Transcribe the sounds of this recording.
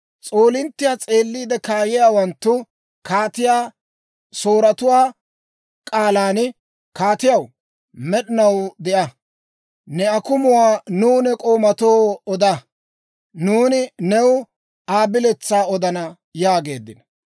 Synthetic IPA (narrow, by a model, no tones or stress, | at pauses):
t͡sʼoːlɪnt̪ːɪjaːt͡sʼeːlːiːd̪ɛkaːjɪjaːwɐnt̪ːʊ | kaːt̪ɪjaː | soːɾɐt̪ʊwaː | kʼaːlaːn | kaːt̪ɪjɐw | mɛɗɪnɐwd̪ɛʔɐ | nɛɐkʊmʊwaːnuːnɛkʼo̞ːmɐt̪oːɔd̪ɐ | nuːnɪnɛw | aːbɪlɛt͡sːaːɔd̪ɐnɐ | jaːɡe̞ːd̪ːɪnɐ